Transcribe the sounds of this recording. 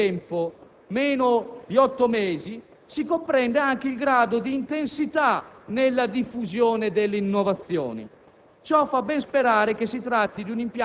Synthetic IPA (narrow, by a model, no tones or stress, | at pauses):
ɛmpo | mɛːnod̪iɔt̪ːomɛːzi | sikompɾɛnd̪eaŋk̟eilɡɾaːd̪od̪iːnt̪ensit̪anelːad̪ifːuzjɔːned̪elːinːɔvat̪sːjɔ̰ːnḭ | t͡ʃɔfabːɛnspɛɾaːɾekesit̪ɾat̪ːid̪unimpj